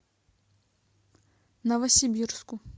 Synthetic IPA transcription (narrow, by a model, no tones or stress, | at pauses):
nɐvɐsʲibʲirsku